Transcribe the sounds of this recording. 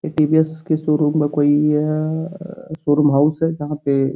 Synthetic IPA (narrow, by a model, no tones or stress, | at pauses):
eʈiːbiɛskesoːɾumekoːi | soːɾumɦaʊsɦɛd͡ʒɐɦãpe